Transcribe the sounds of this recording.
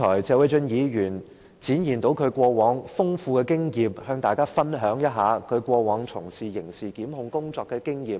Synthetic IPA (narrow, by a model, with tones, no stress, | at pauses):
ɔː˨˩jt͡sɛː˧we˨˧˥t͡ʃɵ˧njiː˨˧jyː˨˩n | t͡siː˨˥njiː˨˩nt̪o˨˥wkʰɵ˨˧ɥkʷɔː˧wɔː˨˥ŋfʊ˥ŋfuː˧kɛː˧kɪ˥ŋjiː˨˧p̚hœː˧ŋt̪aː˨˩jkaː˥fɐ˥nɦœː˨˥ŋjɐ˥t̚ɦaː˨˥kʰɵ˨˧ɥkʷɔː˧wɔː˨˧˥ŋt͡sʰʊ˨˩ŋsiː˨jɪ˨˩ŋsiː˨kiː˨˥mɦʊ˧ŋkʊ˥ŋt͡sɔː˧kːɛː˧kɪ˥ŋjiː˨˩m̚